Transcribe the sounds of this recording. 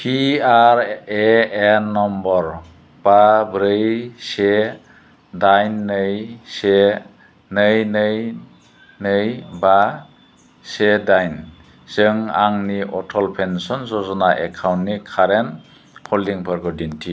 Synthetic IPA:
pʰiaɾeːnːɔmbɔɾ | b̥abɾɯjse | dajnːɯjse | nɯjnɯj | nɯjba | sedajn | z̥ɯŋa̰ŋniʔɔtʰɔlpʰensɔnzɔzɔnaʔɛkʰawntnikʰaɾɛn | pʰɔliŋpʰɔɾɡɔdintʰi

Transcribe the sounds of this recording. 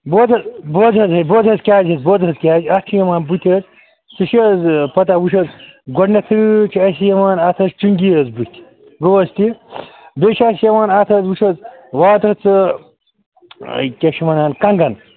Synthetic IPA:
boːzɐzboːzɐzɐboːzɐzkʲaːzɐzboːzɐzkʲaːziɐst͡ʃʰijɐmaːnbut̪ʰʲɐz | t͡sɨʃizpɐt̪̬ɐwuʃ̬ɐzɡoɖnɐt̪ʰɨt͡ʃʰiɐs̬ijɐmaːnɐt̪ʰɐzt͡ʃuŋɡijɐzbut̪ʰʲ | ɡoɐst̪ibet͡ʃʰɐsijɐmaːnɐt̪ʰɐzwuʃɐzwaːt̪ɐt͡sɨ | kʲɐʃimɐnaːnkɐŋɡɐn

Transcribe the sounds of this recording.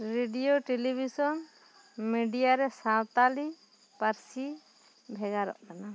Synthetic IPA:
ɾeɖijoʈelibʱisɔn | miɖijaɾɛsãwt̪ali | paɾsi | bʱɛɡaɾɔ̰ʔkana

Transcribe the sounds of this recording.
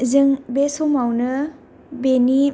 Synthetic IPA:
zɯŋbesomawnɯ | beni

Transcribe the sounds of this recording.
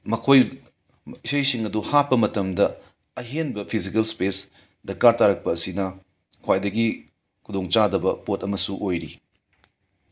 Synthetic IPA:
mɐkʰoj | isɐjsiŋɐduhapːɐmɐtɐmdɐ | ɐɦenbɐpʰizikɐlspes | dɐkːaɾtaɾɐk̚pɐːsinɐ | kʰwajdɐɡi | kʰudoŋt͡ʃadɐbɐpotɐmɐsuʔojɾi

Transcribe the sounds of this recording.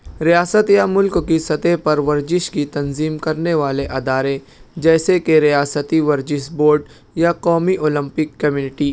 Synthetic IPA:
ɾijaːsət̪jamʊlkkisɐt̪epɐɾʋɐɾd͡ʒɪʃkit̪ɐnziːmkɐɾneʋaːleʔɐd̪aːɾẽ | d͡ʒɛːsekeɾijaːsət̪iʋɐɾd͡ʒɪʃboːɾɖ | jaqɔːmiʔoːlə̃mpɪkːɐmjuːnɪʈiː

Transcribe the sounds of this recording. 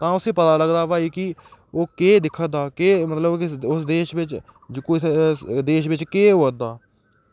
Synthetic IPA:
t̪ãːʊsĩːpət̪aːləɡd̪aːpaːiːkɪoːkeːd̪ɪkʰːəd̪aːkeːmət̪ləbkɪʊsd̪eːʃʋɪt͡ʃd͡ʒkː | d̪eːʃʋɪt͡ʃkeːɦoːəd̪aː

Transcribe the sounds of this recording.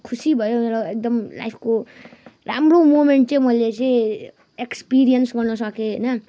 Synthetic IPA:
kʰusibʱʌjomeɾoek̚d̪ʌmla̰jpʰkora̰mromomeɳʈ̚t͡sʌ̃mʌjlet͡seĩ | ekspiɾijʌnsɡʌrnʌsʌkeɦʌjnʌ

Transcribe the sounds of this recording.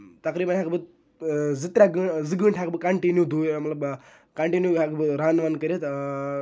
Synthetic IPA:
t̪ɐkɾiːbɐnɦakbɨ | zit̪ɾaɡɨzɨɡɨɳʈʰakbɨkɐɳʈinjud̪umɐt̪lɐb | kɐɳʈinjuɦakbɨɾaːnʋɐnkɐɾit̪

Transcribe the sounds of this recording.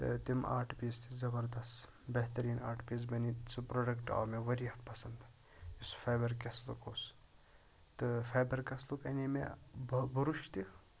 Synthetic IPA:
t̪ɨ̰t̪ima̰ːʈʰpiːst̪izɐbɐɾd̪ɐst̪ | bɐɦt̪ɐɾiːnaːʈʰpiːs̬bɐnit͡sɨpɾoːɖɐkʈa̰ːmeʋɐɾiɐfpɐsɐnd̪ | isfeːbɐɾkɐslṵkoːs | t̪ɨfʰeːbɐɾkɐslukɐnimḛbbuɾuʃt̪i

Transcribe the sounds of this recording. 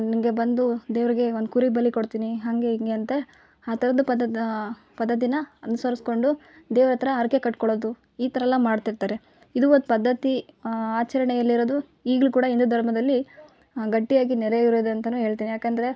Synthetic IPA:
nimɡe̞bɐnd̪ud̪eːʋɾiɡe̞ond̪ukuɾibɐlikoɽt̪iːniɦaŋɡeiŋɡeɐnt̪ɐ | aːt̪ʰɐɾɐd̪up̪ | pɐd̪ːɐt̪̬inɐɐnusɐɾisko̞ɳɖud̪ɛːʋɾɐt̪ɐɾɐːɾke̞kɐʈkoɭoːd̪u | iːt̪ʰɐɾɐlːɐmaːɖt̪iɾt̪aːɾe̞ | id̪uonupɐd̪ʱːɐt̪iaːt͡ʃɐɾɐɳɛjɐlːiɾoːd̪u | iːɡɭukuːɽɐind̪ud̪ʱɐɾmɐd̪ɐlːi | ɡɐʈːijaːɡinɛɾeiɾoːd̪ɐnt̪ɐnuːɦeːɭt̪iːnijaːkeːnd̪ɐɾe

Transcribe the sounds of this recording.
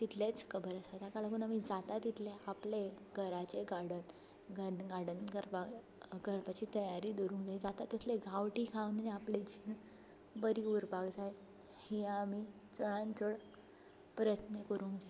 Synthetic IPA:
t̪it̪ʰlet͡skʰəbəɾəsajt̪akalakuːnamid͡zat̪at̪ːit̪ʰleaple | ɡʱəɾat͡ɕeɡaɽən | ɡəɡaɽənkəɾpa | kəɾpat͡ɕiːt̪əjaɾiːd̪oɾũːŋɡd͡zaid͡zat̪at̪ːet̪ʰleɡʱaʋʈikʰaʋneniapled͡ʑin | bəɾiuɾbakd͡zaj | hiãːmiː | t͡səɭ̃ãnt͡səɽ | pɾəjət̪nəkəɾũːŋkd͡za

